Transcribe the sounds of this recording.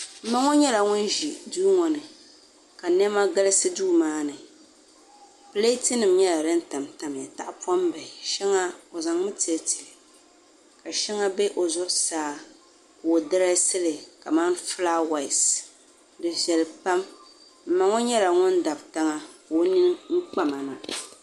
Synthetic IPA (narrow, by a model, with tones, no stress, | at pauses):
m̩˦ma˦ŋɔ˦ɲɛ˦la˨ŋʊ˦n˦ʒi˨duː˦ŋɔ˨nɨ˨ | ka˨nɛ˦ma˦ɡɨ˦lɨ˦sɨ˦duː˦maː˦nɨ˨ | pɨ˦le˦ti˦nɨ˨mɲɛ˦la˨dɨ˦n̩˦ta˨mta˨m˨ja˨ta˦ʔpa˦mba˨ɪ˨ʃɛ˦ŋa˦o˨za˨ŋmɨ˦ti˨ɛ˨˦ti̥˨lɨ˨ | ka˨ʃɛ˦ŋa˦bɛ˦ʔo˨zʊ˦ɾsaː˦ | kʊː˨dɨ˦ɾa˦sɨ˦lɨ˨ka˨ma˦nfɨ˦la˦wa˨ɪ˨s | dɨ˨ʒɛ˨lɨ˨pa˦m | m̩˦ma˨ŋɔ˦ɲɛ˦la˨ŋʊ˦n˦da˨bta˦ŋa˦ko˦ni˦n˦ŋ̩˦k͡pa˦ma˨na˨